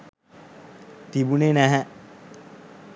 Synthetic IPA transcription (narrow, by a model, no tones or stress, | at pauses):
t̪ibunenæɦæ